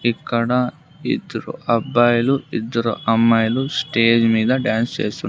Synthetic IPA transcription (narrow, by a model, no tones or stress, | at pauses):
ikːɐɽɐ | ḭd̪ːɐɾṵʔɐbːɐjɐluid̪ːɐɾṵʔɐmːɐjlusʈeːd͡ʒmiːd̪ɐɖjaːnst͡ʃḛːst̪unɳ